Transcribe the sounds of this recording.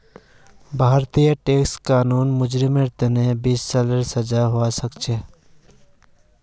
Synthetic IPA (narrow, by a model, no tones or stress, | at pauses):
bʱaːɾt̪ijəʈeːkskaːnuːnmʊd͡ʒɾɪmeɾt̪enẽbiːssaləɾsɐd͡ʒaɦoasəkt͡ʃʰeː